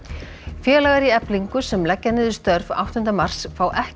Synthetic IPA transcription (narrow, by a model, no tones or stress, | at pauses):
fjɛːlaɣaɾiɛpliŋkʏsɛmlɛcːanɪðʏst̪œɾva̰wht̪ʰʏnt̪ɾamar̥sfaːwʔɛh